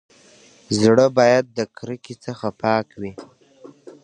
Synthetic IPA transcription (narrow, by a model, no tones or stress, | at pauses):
zɽəbɑjad̪̚ːəkʰɾəkit͡səxapʰɑːkwi